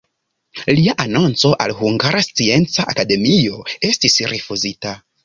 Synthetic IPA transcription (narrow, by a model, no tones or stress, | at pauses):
liaʔano̞nt͡so̞ʔa̰lhuŋɡaɾast͡sie̞nt͡saʔakade̞mio̞e̞stisɾifuzita